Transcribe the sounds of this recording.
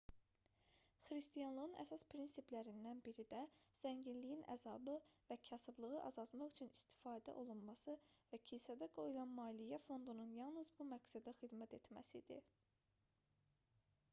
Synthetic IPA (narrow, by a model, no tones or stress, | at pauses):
xɾist̪ijɑnlˠɯʁɯnʔæ̰sɑspʰɾinsiplæɾind̪ænbiɾid̪æz̥æɲɟinlijinʔæ̰zɑbɯvæcʰæsɯblˠɯɣɯʔɑ̰zɑlˠt̪mɑχyt͡ʃʰynist̪ʰi̥fɑːd̪æ̰ʔo̞lˠunmɑsɯvæcʰisæd̪æɡo̞julˠɑnmɑːlijæfo̞nd̪ununjɑlˠnɯzbumæɡsæd̪æxid̪mæt̪ʰe̞t̪mæ̰sid̪ḭ